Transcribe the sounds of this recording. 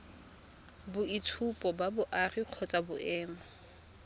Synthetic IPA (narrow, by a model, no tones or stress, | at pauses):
bʊitʰupʼɔbabʊʔariq͡χʰɔt͡sʼabʊʔɛːma